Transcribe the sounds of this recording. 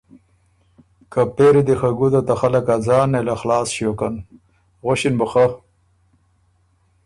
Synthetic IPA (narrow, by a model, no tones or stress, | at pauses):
kapeɾid̪ixaɡud̪ot̪axalakazaːnelaxlaːsɕoːkan | ɣoɕinbuxa